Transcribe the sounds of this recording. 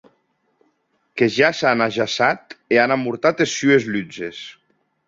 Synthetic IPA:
keʒasanaʒasat̪eanamuɾt̪at̪esːyezlyd͡ʒes

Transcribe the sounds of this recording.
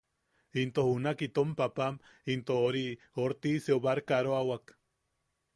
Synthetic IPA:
int̪ohunakit̪ompapam | int̪ooɾi | oɾt̪iseoβaɾkaɾoawak

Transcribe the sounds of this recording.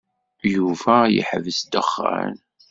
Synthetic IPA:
juvæjə̰ħəvəsd̪əχːæ̰n

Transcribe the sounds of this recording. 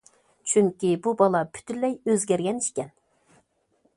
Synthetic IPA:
t͡ʃʰyŋkʲibubɑlˠɑpʰy̥t̪ʰyllːɛjøzɡʲɛɾɡʲɛniʃkʲɛn

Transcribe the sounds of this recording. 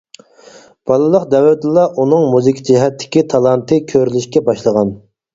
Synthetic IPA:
b̥ɑlˠɨlˠəqd̪ɛwlɛt̪ɨlˠːɑʔunɨŋmuzɨkʲʰid͡ʒiɦɛt̪ʰːɪ̥kʲit̪ʰɑlˠɑnt̪ʰɨkʲʰøɾylyʃkʲɛbɑʃlˠəʁɑn

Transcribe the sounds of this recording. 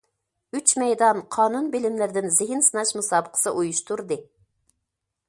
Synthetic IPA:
yt͡ʃmɛjd̪ɑnqʰɑːnunbɪlɪmlɪɾd̪ɪnzɪɦɪnsɨnɑʃmusɑːbəqʰə̥sɨʔujuʃt̪uɾd̪ɨ

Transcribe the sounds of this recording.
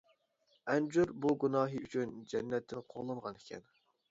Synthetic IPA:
ɛnd͡ʒuɾbuɡunɑːɦɨyt͡ʃʰynd͡ʒɛnːɛt̪ʰːɪnqʰoʁlˠɑɴʁɑnekʲʰɛ̰n

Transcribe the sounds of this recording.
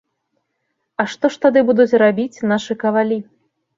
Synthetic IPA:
ɐʂt̪ɔʂt̪ad̪ɨbud̪ut͡sʲrabʲit͡sʲnaʂɨkɐvalʲi

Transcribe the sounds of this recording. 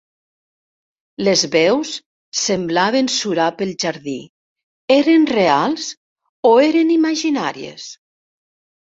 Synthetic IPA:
lezβɛws | semblaβensuɾapəlˠʒaɾði | eɾenrealˠz | oeɾenimaʒinaɾiḛs

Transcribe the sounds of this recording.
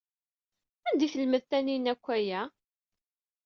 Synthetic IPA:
ænd̪iθəlməðθæninækʷːæjæ

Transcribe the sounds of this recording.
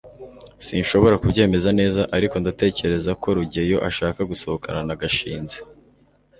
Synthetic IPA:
sinʃo̞βo̞ɾakubɟe̞ːme̞zane̞ːzaʔaɾiko̞ndate̞ːce̞ɾe̞zako̞ɾuɟejo̞ʔaʃaːkaɡuso̞hokʰa̰nanaɡaʃḭːnze̥

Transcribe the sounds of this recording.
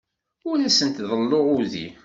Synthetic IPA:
ʊlæsənt̪ðˤəlːoʁʊðḭ

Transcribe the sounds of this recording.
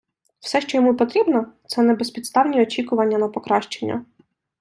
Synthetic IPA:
w̥sɛʃt͡ʃɔjɔmupɔt̪ɾʲibnɔt̪sɛnɛbespʲit̪st̪ɑwnʲiɔt͡ʃʲikʊʋɐnʲːɐnɐpɔkɾɑʃt͡ʃenʲːɐ̰

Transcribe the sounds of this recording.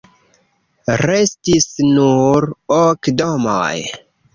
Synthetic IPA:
ɾestisnuɾokdoma̰j

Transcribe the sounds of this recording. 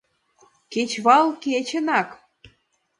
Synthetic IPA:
ket͡ɕβɑlket͡ɕə̆nɑk

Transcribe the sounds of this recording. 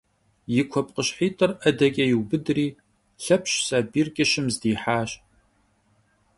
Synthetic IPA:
jɪkʷʰɔpʼqʼəɕħiːtʼɨrɐdɐkʲʼɐjɪwbɨdriː | ɬɐpʰɕsaːbiːrkʲʼɪʃɪmzdiːħaːɕ

